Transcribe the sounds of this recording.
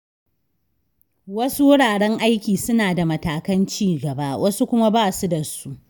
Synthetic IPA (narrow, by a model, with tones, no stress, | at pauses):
wɐ˦su˦wʊ˦ɽaː˨ɽɛ˦ŋʔa˦jkʲiː˨sʊ˦naː˨da˨mɐ˦taː˨kɐ˦nt͡ʃiː˦ɡɐ˨baː˦wʔɐ˦su˦kʷʊ˦ma˦baː˦˨su˦dɐ˨su˦ʔ